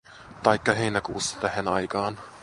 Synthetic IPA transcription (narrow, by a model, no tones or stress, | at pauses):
t̪ɑjkːɑɦejnækuust̪æhenɑ̰jkɑːn